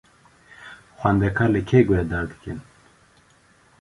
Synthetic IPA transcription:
xʷand̪ɛkʰaɾlekʰeːɡʷɛd̪aːɾd̪ɨ̥kɨn

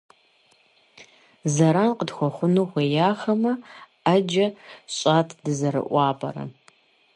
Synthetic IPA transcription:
zɐɾaːnqədxʷɔχʷʊnuːʁʷejaːxɐmɐ | ɐd͡ʒɐɕʼaːtʰdɨzɐɾɨ̰ʔʷɑːbʼɐ̰ɾɐ̰

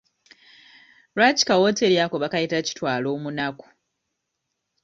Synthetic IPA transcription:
ɾwaci̥kawoteɾjakoβakajitaci̥twaːlo̞ːmunaku̥

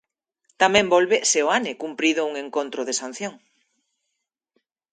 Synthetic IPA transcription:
t̪amẽmbolβeseoanɪkumpɾiðouŋẽŋkont̪ɾoðesan̟θjoŋ

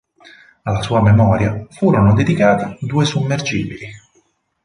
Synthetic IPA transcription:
alːasuːamemɔːɾjafuːɾonod̪ed̪ikaːt̪id̪uːesumːerd͡ʒḭːbili

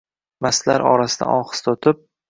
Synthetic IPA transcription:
mast̪laɾʔɒ̰ɾasɪd̪a̰ʔɒχɨ̥st̪ʰɒt̪ʰɪp̚

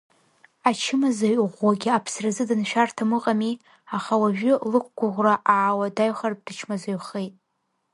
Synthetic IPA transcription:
at͡ʃʰɪmazaɥʁʷːaɡʲɪapʰsrazɨdɨnʃᶣartʰamɨqʼami | aχawaʒᶣʊlɨk̚ʷʰɡʷʊʁʷraʔaːwadaɥχarp̚ʼd̥ɨt͡ʃʰmazaɥχe̞jtʼ

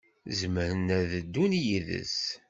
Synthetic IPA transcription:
zməɾənæðəd̪ːunjiðə̰s

